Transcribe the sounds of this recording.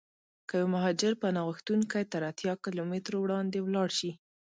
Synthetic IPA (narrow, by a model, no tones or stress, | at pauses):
kəjwamaɦɑd͡ʒɪɾpənaɣəxt̪unkajt̪əɾat̪jɑkɪlomɪt̪ɾowɽɑnd̪ewlɑɽʃi